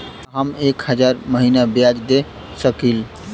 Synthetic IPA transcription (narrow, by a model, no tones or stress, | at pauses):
ɦəmekhəd͡ʒaɾməɦinabjad͡ʒd̪e | səkil